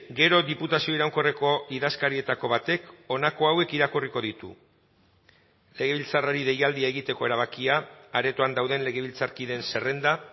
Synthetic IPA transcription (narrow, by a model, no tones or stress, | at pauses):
ɡe̞ɾo̞ðiput̪asio̞iɾawŋko̞re̞ko̞iðaskaɾie̞t̪ako̞βat̪e̞ko̞nako̞awe̞kiɾakuriko̞ð̞it̪ṵ | le̞ɣ̞e̞β̞ilt͡saraɾiðe̞jald̪iae̞ɣ̞it̪e̞ko̞e̞ɾaβ̞akiaːɾe̞t̪oand̪awðe̞nle̞ɣ̞e̞β̞ilt͡saɾkiðe̞nse̞re̞nd̪a